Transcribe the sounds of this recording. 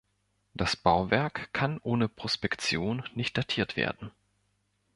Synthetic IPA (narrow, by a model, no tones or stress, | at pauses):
d̥asb̥aʊvɛɐkkʰːanʔoːnəpʁ̥ospɛkt͡sjoːnːɪçt̚d̥atʰiːɐtv̥ḛːɐdn̩